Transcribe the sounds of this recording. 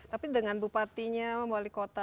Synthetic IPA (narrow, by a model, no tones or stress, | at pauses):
t̪apidəŋanbupat̪iɲaəmalikot̪a